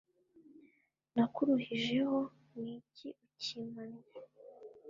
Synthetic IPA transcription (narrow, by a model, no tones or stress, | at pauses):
nakuɾuhiʒe̞ho | niːciʔuciːmanɾa